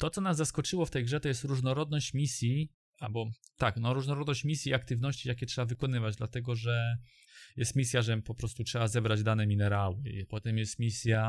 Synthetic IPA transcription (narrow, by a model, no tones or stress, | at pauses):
t̪ɔt̪sɔnaszaskɔt͡ʂɘwɔft̪ɛjɡʐɛt̪ɔjɛst̪ɾuʐnɔɾɔd̪nɔɕt͡ɕmʲisʲji | albɔ | t̪aknɔɾuʐnɔɾɔd̪nɔɕt͡ɕmʲisʲjiak̚t̪ɘvnɔɕt͡ɕijakʲɛtʂɛbavɘkɔn̪ɘvad͡ʑd̪lat̪ɛɡɔʐɛ | jɛst̪mʲisʲjaʐɛpɔpɾɔst̪utʂɛbazɛbɾad͡ʑd̪anɛmʲinɛɾawɘpɔt̪ɛmjɛst̪mʲisʲja